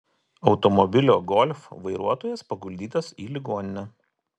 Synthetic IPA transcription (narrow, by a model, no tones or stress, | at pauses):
ɒʊt̪ɔmɔbʲɪlʲoːɡɔlʲfʋɐɪɾuɔt̪oːjɛspɐɡʊlʲd̪ʲiːt̪ɐsiːlʲɪɡoːnʲɪnʲɛ